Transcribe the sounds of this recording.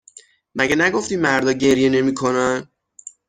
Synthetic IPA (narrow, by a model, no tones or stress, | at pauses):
mæɟænæɡo̞ft̪iːmæɾd̪ɒːɟe̞ɾje̞ne̞miːkʰo̞næn